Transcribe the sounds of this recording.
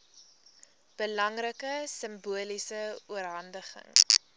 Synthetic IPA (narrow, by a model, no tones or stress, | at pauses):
b̥əlɐŋrəkəsəmbuəlisəuərɦɐndəχə̰ŋ